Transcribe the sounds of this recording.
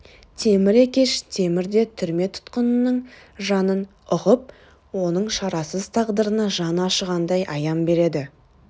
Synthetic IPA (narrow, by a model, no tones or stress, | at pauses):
t̪ʰe̞mɪɾekʲe̞ʃt̪ʰe̞mɪɾd̪e̞t̪ʰʏɾme̞t̪ʰʊ̥t̪qənənəɴ | ʒɑnən | ʊʁəp̚ | wo̞nəɴʃɑɾɑsəzt̪ʰɑʁd̪əɾənɑʒɑnɑʃəʁɑnd̪ɑjʔɑjɑmbe̞ɾe̞d̪ɪ